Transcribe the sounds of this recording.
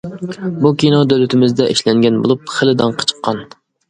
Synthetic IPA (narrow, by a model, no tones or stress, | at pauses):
bukʲʰinɑd̪ølyt̪ʰɪmɪzd̪ɛʔeʃlɛŋɡʲɛnbo̰lˠup̚χəlɪd̪ɑŋqʰə̥t͡ʃʰə̥qːɑn